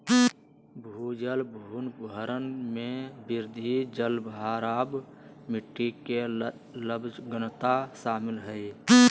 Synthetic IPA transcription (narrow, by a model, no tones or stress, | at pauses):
bʱud͡ʒəlbʱuːnbəɾənmẽbɪɾd̪ʱid͡ʒəlbɦaːɾaːbmɪʈːike | ləbd͡ʒɡənt̪aʃaːmɪlɦəj